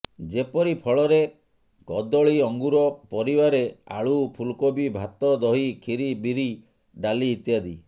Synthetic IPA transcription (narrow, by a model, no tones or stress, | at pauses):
d͡ʒepɔɾipʰɔɭɔɾe | kɔd̪ɔɭiɔŋɡuɾɔpɔɾibaɾea̰ɭupʰulkobibʱat̪ɔd̪ɔɦikʰiɾibiɾi | ɖaliːt̪jad̪i